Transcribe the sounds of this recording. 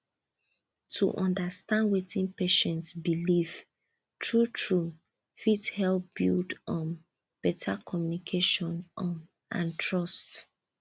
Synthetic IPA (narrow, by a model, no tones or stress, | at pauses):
tʰṵʔɔ̃ndastãndwetĩnpeʃɛ̃ntsbiliv̥ | tʰɹutʰɹu | fithɛlp̚b̥ḭldɔ̃n | b̥ɛtʰakʰɔmjunikʰeʃɔ̃n | ʔã̰ntʰɹɔst